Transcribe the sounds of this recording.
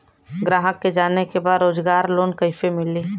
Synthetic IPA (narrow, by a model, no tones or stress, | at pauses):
ɡɾaːɦəkːed͡ʒaːnekebaːd̪ɾoːd͡ʒɡaːɾloːnkəɪfemɪliː